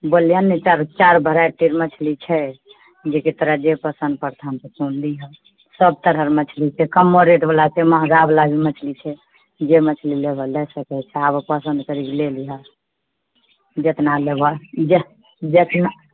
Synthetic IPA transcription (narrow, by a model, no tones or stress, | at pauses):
bolijanet͡ʃaɾt͡ʃaɾbʱəɾaʈiɾmət͡ʃʰlit͡ʃʰɛ | d͡ʒekit̪ɾad͡ʒepəsənd̪̚pəɾt̪ʰant̪ətunliɦə | səb̚t̪əɾəɾmət͡ʃʰlit͡ʃʰɛkəmːoɾeʈbəlakemãɡablabimət͡ʃʰlit͡ʃʰɛ | d͡ʒemət͡ʃʰlilebʱəlɛsəkɛt͡ʃʰɛabpəsənd̪kəɾikleliɦə | d͡ʒet̪nalebəd͡ʒe | d͡ʒet̪na